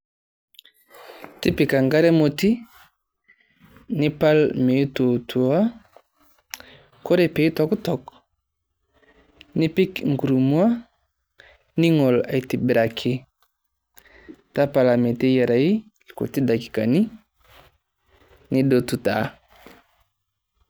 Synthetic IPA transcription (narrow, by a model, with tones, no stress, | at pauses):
ti˦pi˨ka˨ŋɡa˦ɾe˦mo˨ti˦ | ni˦pa˦lme˨i˦to˨tu˨a˦ | ko˦ɾe˦pe˨˦i˦to˨ku˦tɔ˨k | ni˦pi˦kŋɡu˨ɾu˨mu˦a˦ | ni˦ŋo˨la˨i˨ti˨bi˨ɾa˨kʰi˦ | ta˦pa˨la˨me˨te˦je˨ɾa˨i˦ | ko̰˨ti˦da˨ki̥˨ka˨ni˦ | ni˦do˨tu˦ta˨˦